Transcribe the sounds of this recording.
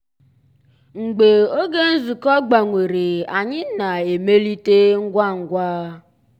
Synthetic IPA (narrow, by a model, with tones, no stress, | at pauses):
ŋ͡m̩˨ɡ͡be˨o˦ɡe˦n̩˦zu˨kɔ˦ɡ͡ba˨ŋʷe˨ɾe˨a˨ɲɪ˦na˨e˨me˦li˦te˦ŋ̩˦ɡʷa˦ŋ̩˨ɡʷaː˦